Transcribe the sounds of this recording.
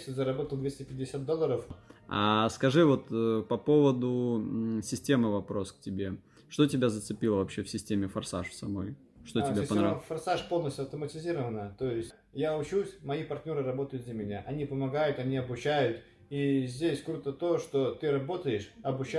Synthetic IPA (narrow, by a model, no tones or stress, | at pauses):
sʲɪzəɾɐbo̞t̪əlˠd̪vʲesʲtʲɪpʲɪdʲɪsʲat̪d̪o̞lˠːəɾəfa̰skɐʐɨvo̞t̪pɐpo̞vəd̪ʊsʲɪsʲtʲe̞mɨvɐpɾo̞sk̚tʲɪbʲe̞ | ʂt̪o̞tʲɪbʲazət̪sɨpʲilˠəvɐpɕːefsʲɪsʲtʲemʲɪfɐrsa̰ʂfsɐmo̞̰j | ʂt̪oɪbʲapɐnɾavfɐrsaʂpo̞lˠnəsʲtʲʊɐft̪əmətʲɪzʲiɾəvənət̪o̞jɪsʲtʲ | jaʊt͡ɕusʲmɐipɐrt̪ʲnʲo̞ɾɨɾɐbo̞t̪əjʊt̪̚d̪lʲəmʲɪnʲaʔɐnʲipəmɐɡajʊt̪ɐnʲiɐbʊt͡ɕːæjʊt̪ | izʲdʲesʲkɾut̪ət̪o̞ʂt̪o̞t̪ɨɾɐbo̞t̪əjɪʂɐbʊt͡ɕː